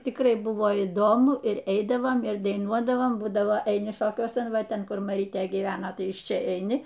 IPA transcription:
tʲɪkˈrɐɪ ˈbʊʋoː iːˈdoːmʊ ɪr ˈɛɪdɐʋoːm ɪr dɐɪˈnuɔdɐʋoːm ˈbuːdɐʋoː ɛɪˈnʲɪ ˈʃoːkʲuɔsɐn ˈʋɐ ˈtʲɛn ˈkʊr mɐˈrʲiːtʲeː ɡʲiːˈʋʲæːnɐ ˈtɐɪ ɪʃ ˈt͡ʃʲɛ ɛɪˈnʲɪ

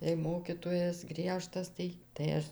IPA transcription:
jɛɪ ˈmoːkʲiːtoːjɛs ˈɡrʲiɛʃtɐs ˈtɐɪ tɐɪ ˈɐʃ

